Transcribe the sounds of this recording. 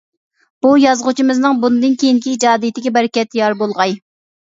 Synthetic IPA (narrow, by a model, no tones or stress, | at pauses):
b̥ujɑzʁʊt͡ʃʰimɨznɨŋbunɨd̪ɨnkʲʰejiŋkʲid͡ʒɑːd̪ijt̪ʰɪɡʲɛbɛɾɪkʲɛt̪ːjɑɾbolˠʁɑj